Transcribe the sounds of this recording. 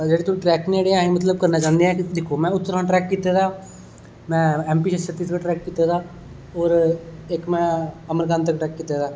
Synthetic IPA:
d͡ʒeːɽeːt̪ʊĩʈɾɛːkneɽeãːẽmət̪ləb̚kəɾnaːt͡ʃãːnd̪eɛ̃ːd̪ekʰːoːmɛ̃ːʊt̪ːəɾãːʈɾɛːkːiːt̪aːd̪aː | mɛ̃ːɛ̃ːmpiːʃəsət̪iːskaːʈɾɛːkːiːt̪aːd̪aː | ɔːɾɪkmɛ̃ːəməɾkãːnt̪̬əkʈɾɛːkːiːt̪aːd̪aː

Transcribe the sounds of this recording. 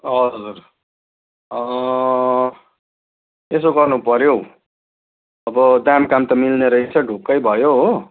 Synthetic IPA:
ʌʌd͡zur | ʌ | esoɡʌrnupʌɾjow | ʌbʌd̪amkamt̪ʌmilneɾʌɦit͡sʰʌɖʱukːʌjbʱʌjoɦo

